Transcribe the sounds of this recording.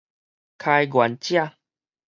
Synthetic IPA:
kʰa˧jɡwa˨˦nt͡ɕja˥˧˨

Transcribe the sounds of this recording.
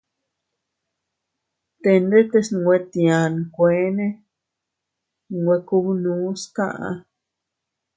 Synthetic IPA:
t̪e˧nd̪e˦t̪e˧snũ˧ŋɡʷe˧t̪i˧ã˨ñ˧kʷe˨˦nẽ˦ | nũ˧˨ŋɡʷe˧ku˦βu˦˧nũ˨˦skã˦˧ʔa̰˧

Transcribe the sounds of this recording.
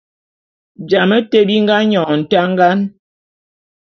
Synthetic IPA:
d͡ʒa˨mə˦te˦bi˦ŋɡa˦ɲɔ˨n̩˨ta˦ŋ˦ɡa˦n

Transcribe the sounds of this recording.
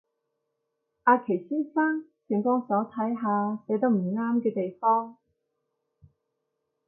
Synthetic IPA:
ʔaː˨˧kʰe˨˩jsiː˥nsaː˥ŋsʰi˨˩ŋkɔː˥ŋsɔː˨˥t̪ʰɐ˨˥jɦaː˧sɛː˨˥t̪o˧˥wm̩˨˩ŋaː˥mkɛː˧t̪e˨jfɔː˥ŋ

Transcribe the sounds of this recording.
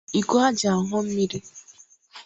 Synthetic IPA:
i˨ko˦a˦d͡ʒa˨a˨ɦʊ˦m̩˦mi˦ɾi˦

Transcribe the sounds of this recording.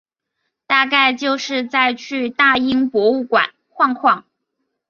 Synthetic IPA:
t̪a˥˧ka˥˧ɪt͡ɕjo˥˧ʊʂɻ̩˥˧t͡sa˥˧ɪt͡ɕʰy˥˧t̪a˥˩i˥ŋpwɔ˧˥u˥˩kwa̰˨˩˦n | kʰwɑ˥˧ŋkʰwɑ˥˩ŋ

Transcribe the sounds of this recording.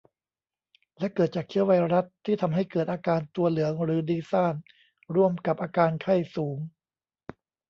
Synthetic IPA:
lɛ˦˥kɤː˨˩t̪̚t͡ɕaː˨˩k̚t͡ɕʰi˦˥əwa˧jɾa˦˥t̪ʰːiː˥˩t̪ʰa˧mɦa˥˩jkɤː˨˩t̪̚ʔaː˧kaː˧nt̪u˧ɐlɯ˩˦əŋɾɯː˩˦diː˧sa˥˩n | ɾu˥˩əmka˨˩p̚ʔaː˧kaː˧nkʰa˥˩jsuː˩˦ŋ

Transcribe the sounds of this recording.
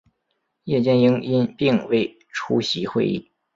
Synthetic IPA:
jɛ˥˩t͡ɕjɛ˥˩ni˧˥ŋi˥npi˥˧ŋwe˥˩ɪ | ʈ͡ʂʰu˥ɕi˧˥xwe˥˧ɪḭ˥˩

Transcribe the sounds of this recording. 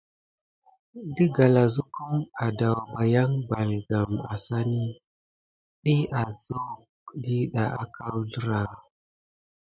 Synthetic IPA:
di˦ɡa˨la˨zu˦ku˦ma˨da˨wba˨ja˦ŋba˨lɡa˨ma̰˨sa˦ni˦ | ɗi˦ʔa˨zo˦˨k | di˦ɗa˨ʔa˨ka˦wɮɾa˨

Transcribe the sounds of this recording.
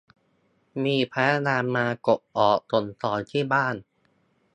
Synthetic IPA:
miː˧pʰɛː˦˥naː˧mmaː˧ko˨˩p̚ʔɔː˨˩k̚t̪o˧˩nt̪ɔː˨˩jt̪ʰiː˥˩baː˥˩n

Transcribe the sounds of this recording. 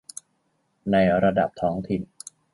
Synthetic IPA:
na˧jɾa˧da̰˨˩p̚t̪ʰɔː˦˥ŋt̪ʰi˨˩n

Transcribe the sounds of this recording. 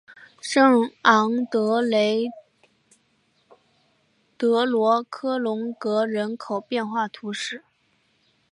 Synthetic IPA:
ʂɤ˥˩ŋɑ˧˥ŋt̪ɤ˧˥le˧˥ɪ | t̪ɤ˧˥lwɔ˧˥kʰɤ˥lʊ˧˥ŋkɤ˧˥ɻə˧˥nkʰo˨˩ʊpjɛ˥˧nxwa˥˩t̪ʰu˧˥ʂɻ̩˥˩

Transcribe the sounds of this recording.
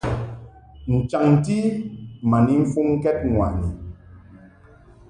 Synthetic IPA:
n̩˨t͡ʃa˨ŋn̩˨ti˦ma˨ni˦m̩˦fu˦ŋ̩˦kɛ˦t̚ŋwa̰˨ni˨

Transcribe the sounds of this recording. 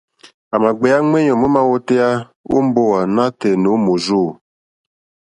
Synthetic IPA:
a˨ma˨ɡ͡bɛ˨a˦ŋe˦ɲɔ˨mo˦ma˦wo˦te˦ja˦ | ṵ˦m˦bo˦wa˨na˦te˨no˨˦mo˨zu˦˨

